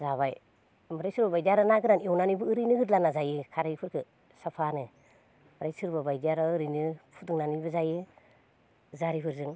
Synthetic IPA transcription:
zaβaj | mɯɾajsɯɾbabajdijaɾɯnaɡɯɾaniɔwnanibɯɯɾɯjnɯɡɯɾlanazajɯkʰaɾaipʰɯɾkʰɯ | sapʰanɯ | maɾajsɯɾbabajdiaɾɔɯɾɯnɯpʰudɯŋnanibɯzajɯ | zaɾipʰɯɾzɯŋ

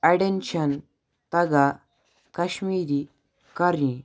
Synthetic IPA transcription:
aɖenɕən | t̪ɐɡa | kəɕmiːɾi | kəɾĩ

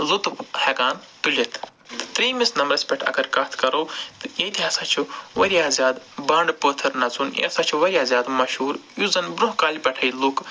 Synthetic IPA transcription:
lut̪phɐɡaːnt̪ulʲɐt̪ʰ | t̪ɾiːmisnɐmɾɐsʲpʲɐʈʰɐ̰ɡɐɾkɐːt̪ʰkɐɾoːt̪jet̪ʰɦɐsɐt͡ʃʰuʋɐɾijaːzʲjaːd̪ | baːɳɖpoːt̪ʰɐɾnɐt͡sunjḛsat͡ʃʰuʋɐɾjaːzʲjaːd̪mɐʃuːɾjuzɐnbɾũɦkaːlʲipɐʈʰɐjluk

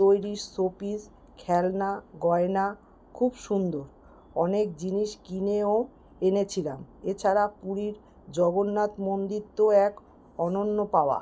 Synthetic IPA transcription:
t̪ojɾiʃsopis | kʰɛlnaɡɔena | kʰubʃund̪oɾ | ɔnek̚d͡ʑiniʃkineo | enet͡ɕʰilamet͡ɕʰaɾapuɾiɾ | d͡ʑɔɡonːat̪mond̪it̪ːoɛk | ɔnonːopaoa̰

